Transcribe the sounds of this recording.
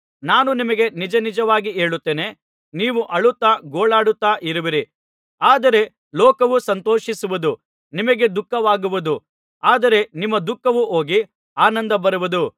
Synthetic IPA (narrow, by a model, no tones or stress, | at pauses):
naːnunimɐɡe̞nid͡ʒɐnid͡ʒɐʋaːɡiɦe̞ːɭut̪ːe̞ːne̞ | niːʋuʔɐɭut̪ːaːɡoːɭaːɽut̪ːaːʔiɾuʋiɾi | aːd̪ɐɾe̞ | lɔːkɐʋusɐnt̪oːʃisuʋud̪u | nimɐɡe̞d̪ukːɐʋaːɡuʋud̪u | aːd̪ɐɾe̞nimːɐd̪ukːɐʋuɦo̞ːɡi | aːnɐnd̪ɐbɐɾuʋud̪u